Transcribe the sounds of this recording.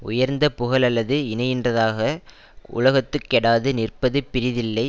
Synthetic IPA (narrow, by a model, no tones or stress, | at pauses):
ʊ̰jɐɾnd̪ɐpʊɣɐlɐlːɐðɯɪnɐjɪndrɐðaːɣɐ | ʔʊ̰lɐɣɐt̪ːɯkːɛɽaːðɯnɪrpɐðɯpːɪɾɪðɪlːɐɪ